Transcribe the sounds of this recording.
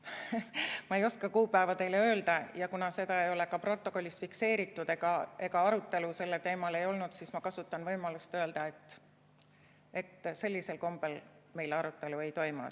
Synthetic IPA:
mɑe̞jo̞skɑkuːpˑæevɑt̪e̞jleø̞ːld̪̥ɑjɑkunɑse̞d̪ɑejo̞le̞kɑpro̞t̪ːˑo̞ko̞lʲːist̪fikse̞ːɾit̪ːˑud̪e̞ɡ̥ɑe̞ɡ̥ɑɑɾut̪ːˑe̞luse̞lːet̪e̞ːmɑle̞jo̞lnud̪̥sismɑkɑsut̪ːˑɑnvɤjmɑlust̪ø̞ːld̪̥ɑe̞t̪ːˑ | e̞t̪ːse̞lʲːise̞lko̞mb̥el | me̞jlɑɾut̪ːˑe̞lue̞jt̪o̞jmṵ

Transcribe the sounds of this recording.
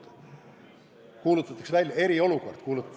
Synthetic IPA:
kuːlut̪ːˑɑt̪ːˑɑ̥ksʋælʲje̞ɾio̞lukort̪kuːlut̪ː

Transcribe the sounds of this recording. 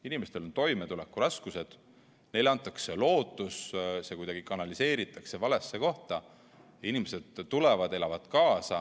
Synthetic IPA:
inime̞st̪e̞lo̞nt̪o̞jmet̪ulekːˑuɾɑskuse̞d̪̥ | ne̞jleɑnt̪ːˑɑkse̞lo̞ːt̪ːˑussekujd̪ɑɡ̥ikɑnɑlise̞ːɾit̪ːˑɑkse̞vɑle̞sːe̞ko̞ht̪ɑ | inimese̞d̪̥ːulevɑd̪̥e̞lɑvɑd̪̥kɑːsɑ

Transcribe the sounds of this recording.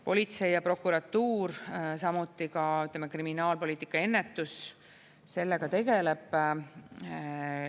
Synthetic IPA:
po̞lʲit̪se̞jjɑpro̞kːˑuɾɑt̪ːuːɾsɑmut̪ːˑikɑyt̪ːˑlemekriminɑːlpo̞lʲiːt̪i̥kːˑɑe̞nːe̞t̪ˑːus | se̞lːe̞ɡ̥ɑt̪e̞ɡe̞leb̥

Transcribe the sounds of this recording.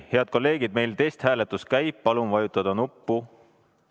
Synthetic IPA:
he̞ɑd̪̥̚ko̞lːe̞ːɡ̥id̪̚me̞jlt̪e̞jst̪hæːle̞t̪ːˑuskæjpːɑlumvɑjut̪ːˑɑd̪̥ɑnupːu

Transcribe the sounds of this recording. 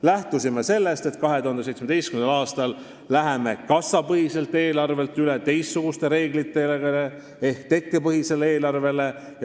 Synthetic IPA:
læht̪usimese̞lːe̞st̪e̞t̪kɑɦe̞t̪uhɑnd̪se̞jt̪smed̪e̞jstkynlɑːst̪ɑlː | æɦe̞me̞kɑsːɑpɤɦise̞lt̪ːˑe̞ːlɑrve̞lt̪yle̞t̪e̞jsːuɡ̥ust̪e̞ɾe̞ːɡlit̪ːˑe̞leɡɑle | ehkt̪e̞kːe̞pɤɦise̞leeːlɑrve̞le̞ | jɑ

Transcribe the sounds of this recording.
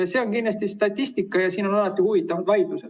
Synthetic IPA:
jɑse̞ːonkind̪ɑst̪ist̪ɑt̪ʲːˑist̪ikːˑɑjɑsiːno̞nɑlɑt̪ːˑihuvit̪ːˑɑmud̪vɑjd̪used̪̥

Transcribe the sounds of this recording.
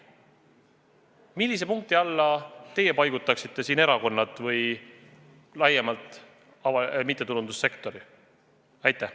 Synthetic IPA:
milʲːis̬e̞puŋk̚t̪iɑlːɑt̪e̞je̞pɑjɡ̥ut̪ːˑɑksit̪ːˑe̞siːne̞ɾɑko̞nːɑt̪ˑvɤj | lɑjemɑlt̪ˑ | ɑvɑmit̪ˑːe̞t̪ulund̪usːe̞kt̪ˑo̞ɾi | ɑjt̪ːˑæh

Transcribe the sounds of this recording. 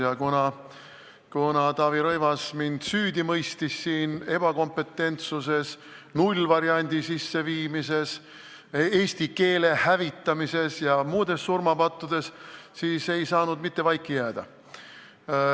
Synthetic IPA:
jɑkunɑ | kunɑt̪ɑːviɾojvɑsmind̪̥syːd̪imɤjst̪isːiːne̞b̥ɑko̞mpːe̞t̪ːˑe̞nt̪suse̞s | nulʲvɑɾiɑnʲd̪̥isisːe̞viːmise̞s | eːst̪ike̞ːle̞hævit̪ːˑɑmise̞sjɑmuːd̪̥e̞sːurmɑpɑt̪ˑːud̪̥e̞ssiːse̞jsɑːnud̪mit̪ːe̞vɑjkːˑijæːd̪̥ɑ̰

